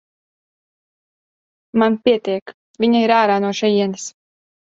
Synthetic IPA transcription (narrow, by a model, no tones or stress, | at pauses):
manpʲiɛt̪iɛk | vʲiɲaiɾaːɾaːnuɔʃɛjiɛnis